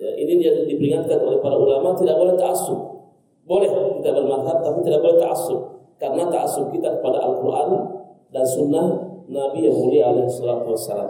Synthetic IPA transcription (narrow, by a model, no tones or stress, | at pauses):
ʔinidadibɾiŋat̪̚kanɔlɛhpaɾaulamat̪idabɔlɛht̪aʔasʊk̚ | bɔlɛhɔkit̪abalmadɦab̚t̪apit̪idabɔlɛt̪aʔasʊp̚karnat̪aʔasʊp̚kit̪akpada̰ʔa̰lkuɾʔa̰n | dansʊnːanabijahuɾialɛhsːalat̪uwasːala̰ːm